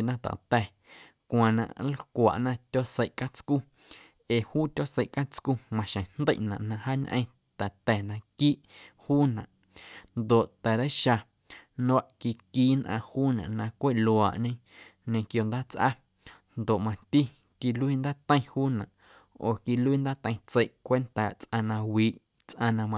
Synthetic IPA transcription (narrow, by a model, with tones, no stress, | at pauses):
nã˧t̪a̰˨t̪ɛ˧˨ | kʷã˨nã̰˧ʔlkʷa̰˨ʔnã˧t̪ʲo˦se˧jʔka˦t͡sku˦ | eː˨huː˦t̪ʲo˦se˧jʔka˦t͡skuː˦mã˧ʃə̃˨nnd̪ə˦˨ʔnã̰˨ʔnã˧haː˦ɲʔə̃˧˦ | t̪ɛ˨t̪ɛ˨nã˧kiː˦ʔhuː˦nã̰˨ʔ | nd̪o˨ʔt̪ɛ˨ɾə˦ʃa˧ | nõ˦a˦ʔki˧kiː˦nʔã˧huː˦nã̰˨ʔnã˧kʷe˦˨ʔlo˧˨a˨ʔɲẽ˧˦ | ɲẽ˧kjo˧nd̪aː˦t͡sʔa̰˦ | nd̪o˨ʔmã˧t̪i˦ | ki˧lu˦iː˦˧nd̪aː˦t̪ə̃˦ĩ˧huː˦nã˨ʔ | oː˨ki˧lu˦iː˦˧nd̪aː˦t̪ə̃˧j̃t͡se˧jʔkʷe˦nt̪a˦˨t͡sʔã˧nã˧wiː˨ʔ | t͡sʔã˧nã˧mã˧